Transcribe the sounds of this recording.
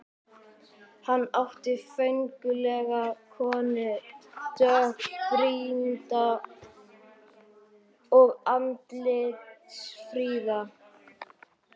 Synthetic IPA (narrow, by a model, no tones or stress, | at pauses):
hanːaht̪ɪfœɥŋkʏlɛɣakʰɔːnɪt̪œpɾiːnt̪a | ɔɣant̪lɪsfɾiːða